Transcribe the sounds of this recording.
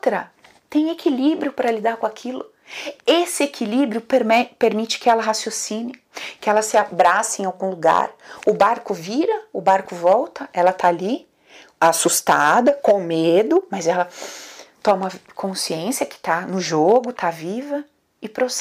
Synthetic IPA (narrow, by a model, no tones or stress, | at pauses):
t̪ɾɐ | t̪ẽj̃ekʰilibɾjʊpɾɐlid̪aɾkõakʰilʊ | esɪekʰilibɾjʊpɾmɛpeɾmit͡ʃɪ̥kɪɛlɐɦasjosĩnɪ | kɪɛlɐsɪabɾasɪẽawɡũluɡa̰ɾʊbaɾkʊviɾɐʊbaɾkʊvɔwt̪ɐʔɛlɐt̪ʰaːli | asust̪ad̪ɐkõmed̪ʊmɐzɛlɐ | t̪ɔ̃mɐkʰõsiẽsɪɐkɪ̥t̪anʊʒoɡʊt̪ʰavivɐ | ɪpɾos